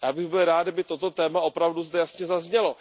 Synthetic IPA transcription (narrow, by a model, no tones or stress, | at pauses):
jaːbɪɣbɪlɾaːd̪ɪbɪt̪o̞t̪o̞t̪ɛːmao̞pɾavduzd̪ɛjasɲɛzazɲɛlo̞